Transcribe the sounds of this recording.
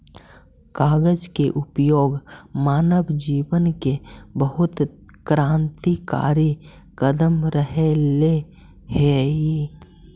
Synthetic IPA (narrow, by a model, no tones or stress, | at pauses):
kaːɡəd͡ʒkeʔʊpjoːɡmaːnəbd͡ʒiːʋənkebəɦʊt̪kɾãːnt̪ika̰ːɾi | kəd̪əmɾəɦele | hei